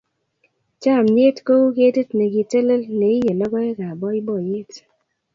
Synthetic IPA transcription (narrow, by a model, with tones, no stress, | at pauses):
t͡ʃa˦˨mɲe˦tko˦u˦ke˦te˦tne˨ɡi˨te˦le˦lne˨ɪ˦je˨lɔ˦ɡɔ˦e˦ka˨bɔ˦ɪ˦bɔ˦˨je˦t